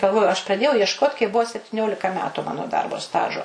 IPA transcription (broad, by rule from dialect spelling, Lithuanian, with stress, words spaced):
ɡɐlˠˈʋoːjʊ ɐʃ prɐˈdʲeːjɛʊ iɛʃˈkoːt kɐɪp ˈbʊʋoː sʲɛpʲtʲɪˈnʲoːlʲɪkɐ ˈmʲæːtʊ ˈmɑːnoː ˈdɐrboː ˈstɑːʒoː